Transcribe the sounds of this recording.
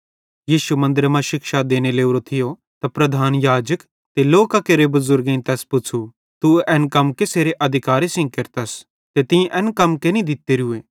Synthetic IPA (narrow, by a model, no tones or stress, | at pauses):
jiːʃumɐ̃nd̪əɾmãʃɪkʃad̪eːneleːuɾot̪ʰɪjo | t̪apɾɐd̪ʱaːnjaːd͡ʒək | t̪eloːkakeːɾebɐzʊɾɡẽĩnt̪ɛːspʊt͡ʃʰu | t̪uɛnkɐmkeseːɾeʔɐd̪ʱɪkaːɾesɪ̃ŋɡ̚keɾt̪ɐs | t̪et̪ɪ̃ĩʔɛ̃ːnkɐmkenĩd̪ɪt̪ːeːɾueː